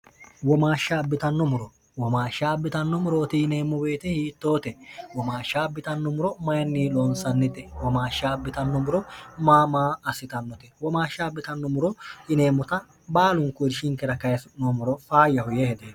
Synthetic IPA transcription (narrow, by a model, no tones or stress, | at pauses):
wɔmaːʃːaːbːɪt̪ɐnːɔmʊɾɔ | wɔmaːʃːabːɪt̪ɐnːɔmʊɾoːt̪ɪɪne̞ːmːɔbe̞ːt̪ɛhiːt̪ːoːt̪ɛwɔmaːʃːaːbːɪt̪ɐnːɔmʊɾɔmɐjɐnːiːloːnsɐnːɪt̪ːɛwɔmaːʃːaːbːɪt̪ɐnːɔmʊɾɔmaːmaːɐsɪt̪ɐnːɔt̪ɛwɔmaːʃːaːbːɪt̪ɐnːɔmʊɾɔɪne̞ːmːʊt̪ɐ | baːlʊŋkʊdʃɪŋkːɛɾɐkɐjɐsʊnomʊɾɔfaːjːɐhʊjɛhɛd̪eː